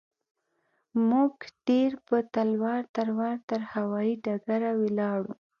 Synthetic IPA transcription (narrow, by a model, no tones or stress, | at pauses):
muɡɖ̥eɾpət̪alwɑɾt̪aɾwɑɾt̪əɾhawɑiɖaɡaɾawelɑɽu